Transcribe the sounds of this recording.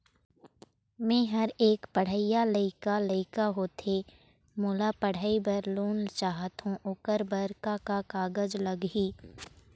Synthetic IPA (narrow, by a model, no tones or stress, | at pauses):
mɛ̃ːɦɐɾeːkpəɽ̤əɪjaləɪkaləɪkaɦoːt̪ʰe | moːlapəɽ̤aːibɐɾluːnt͡ʃaːɦət̪ɦũʔʊkəɾbəɾkakakaːɡəd͡ʒləɡɦiː